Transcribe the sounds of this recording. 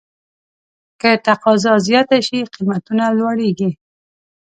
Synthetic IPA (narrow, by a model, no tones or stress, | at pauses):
kət̪aqɑzɑzjɔt̪aʃiqimat̪unalwaɽeɡi